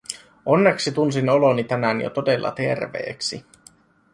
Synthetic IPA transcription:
o̞nːeksit̪unsino̞lonit̪ænænjo̰t̪o̞delːɑ̰t̪e̞rʋḛːksi

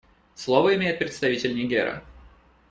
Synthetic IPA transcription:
slˠovəɪmʲejɪt̪̚pɾʲɪt̪st̪ɐvʲitʲɪlʲnʲɪɡʲḛɾə̰

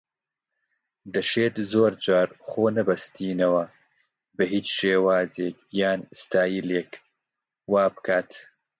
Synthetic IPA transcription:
d̪ɐʃeːt̪zoːɾd͡ʒaːɾχoːnɐbɐst̪ʰiːnɐwɐ | bɐɦiːt͡ʃʃeːwaːzeːk̚jaːnst̪aːjileːk | waːbɨkʰaːt̪

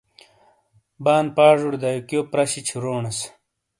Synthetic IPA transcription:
baːnpaːʐuɽd̪ajukjoːpɾɐɕit͡ɕʰiɾoːɳɐs

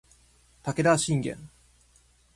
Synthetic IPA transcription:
t̪ake̞d̪aɕĩŋɡḛ̃n

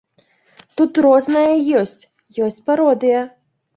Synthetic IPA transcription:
t̪ut̪rɔznɐjɐjɔsʲt͡sʲ | jɔsʲt͡sʲpaɾɔd̪ɨjɐ

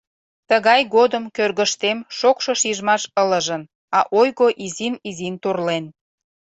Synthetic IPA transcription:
t̪əɣɑjɣod̪əmkørɣəʃt̪emʃokʃoʃiʒmɑʃələʒən | ɑʔojɣoʔizinizint̪urlen

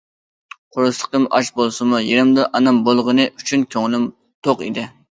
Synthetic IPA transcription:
qʰoɾɨsˠə̥qəmʔɑʃbolˠsɨmujeɾɪmd̪ɨʔɑnɑmbolˠʁənɨʔyt͡ʃʰynkʲʰøŋlɪm | t̪ʰoqḭd̪ɪ

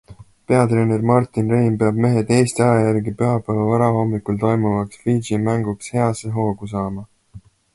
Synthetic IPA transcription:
pe̞ɑt̪ɾe̞ːne̞rmɑrt̪ːˑinrejmpe̞ɑb̥me̞ɦe̞d̪e̞ːst̪iɑjɑjærɡipyɦɑpˑævɑvɑɾɑho̞mːikult̪o̞jmuvɑksfid͡ʒimæŋɡukshe̞ɑseɦo̞ːɡ̥usɑːmɑ

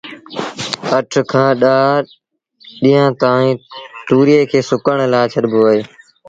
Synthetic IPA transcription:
əʈʰkʰãːɗaː | ɗiːãːt̪aːĩːt̪uːɾeːkʰeːsʊkəɳ̃laːt͡ʃʰəɗboːeː

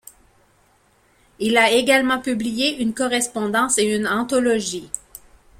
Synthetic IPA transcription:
ilaeɡalmɑ̃pyblijeʔynkɔʁɛspɔ̃d̪ɑ̃seynɑ̃t̪ɔlɔʒi

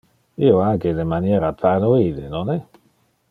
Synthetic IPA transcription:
ioaŋkedemanjɛːɾapʰaɾnoid̪enonɛ

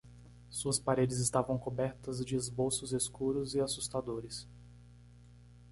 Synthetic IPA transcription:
suɐspaɾed͡ʒɪzɪst̪avɐ̃w̃kobɛɾt̪ɐzd͡ʒɪezbowsʊzeskuɾʊzɪasust̪ad̪oɾɪs

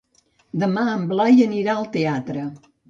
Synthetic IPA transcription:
d̪əmaəmblajəniɾaəlˠt̪eat̪ɾə

